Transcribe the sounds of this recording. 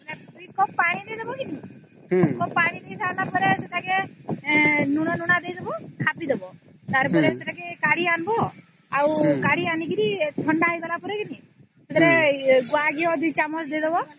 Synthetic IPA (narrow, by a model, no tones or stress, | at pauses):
kaɾd̪ujkɔpaɽ̃id̪ejd̪ebɔkini | kɔpaɽ̃id̪ejsanapɔɾeset̪ʰake | nuɽ̃ɔnuɽ̃ad̪ejd̪ebɔkʰapid̪ebɔ | t̪aɾpɔɾeseʈakekaɽianbɔ | awkaɽianikiɾit̪ʰɔɳɖajbɔlapɔɾekini | set̪ʰaɾeɡaɡiɔd̪ujt͡ʃamɔt͡ʃd̪ejd̪ebɔ